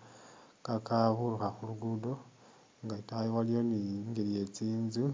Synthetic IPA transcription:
kakaβuluxaxuluɡudo̞ | ŋɡaitajiwalijo̞niŋɡeɾije̞t͡siːnzu

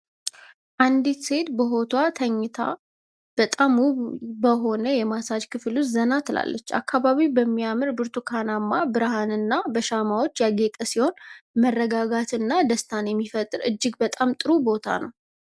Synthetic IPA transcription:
ʔand̪it̪se̞d̪bəɦo̞t̪ʰwat̪ʰəɲːɪt̪ʰa̰ | b̥ət̪ʼamubəɦo̞nəjɛmasad͡ʒkʰɨfluszənat̪ʰɨla̰lːʔət͡ʃːa̰kʰːaβaβibəmːiamɨɾbɨɾt̪ʰukʰanamːabɨɾhanɨnːabəʃamawo̞t͡ʃːjaɡet̪ʼəsiho̞nmərːəɡaɡat̪ɨnːad̪əst̪ʰanjɛmːifət̪ʼːɨɾɨ̰d͡ʒːɪɡbət̪ʼamt̪ʼɨɾubo̞t̪ʰa̰nə̰w

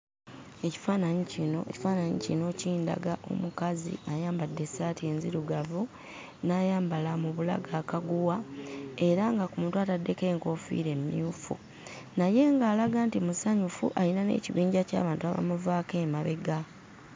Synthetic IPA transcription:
e̞ci̥faːnaɲicinoeci̥faːnaɲḭcino̞ciːnda̰ɡaʔo̰mukazḭajaːmbadːe̞saːtie̞ːnziɾuɡavu | naːjaːmbalamuβula̰ɡaːkaɡuwae̞ɾaŋɡakumuntuatadːe̞ke̞ːŋko̞fḭːɾe̞mːḭufṵ | naje̞ŋɡaːlaɡaːntimusaɲufuʔalinanḛːciβiːɲɟaca̰ːβaːntua̰βa̰muvaːke̞ːmaβe̞̰ɡa

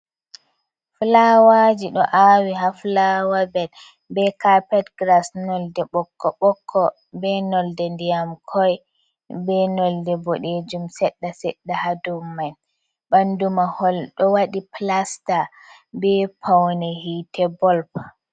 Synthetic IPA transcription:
flawad͡ʒiɗɔʔawiɦaflawabɛl | bɛkapɛtɡɾasnɔldɛɓɔkʰːɔɓɔkʰːɔ | bɛnɔldɛndijamkʰɔj | bɛnɔldɛboɗed͡ʒumsɛɗːasɛɗːahadumːaj | bandumahɔlɗɔwaɗiplasta | bɛpʰawnɛhitʰɛbɔlp

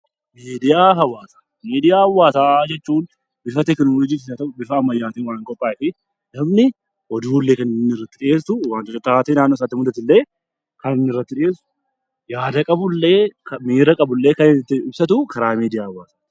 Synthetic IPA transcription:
meːd̪ɪjaːɦɐwaːsḁ | meːd̪ɪjaːhɐwːaːsaːd͡ʒɛt͡ʃːuːn | bɪfɐt̪ɛknoːlɔd͡ʒiːt̪ɪsɐt̪ɐbɪfɐːmːɐjːaːt̪iːwaːŋkʼɔpʼːaːɪfɪ | nɐmnɪ | ʔɔd̪uːlːeːkɐnnːɪrːɐt̪ːɪᶑɪeːsʊwaːnt̪ɔt͡ʃːɔt̪ːaːt̪eːnaːnːoːs̬aːt̪ːɪmʊd̪ɐt̪ɪlːe̞ː | kɐnɪnːɪrːɐt̪ːɪᶑɪeːsʊ̥ | jaːd̪ɐkʼɐbʊlːe̞ːkɐmiːɾɐkʼɐbʊlːe̞ːkɐnɪnɪt̪ːɪɪbsɐt̪̬ʊkɐɾaːmiːd̪ɪjaːɐwːaːsḁ

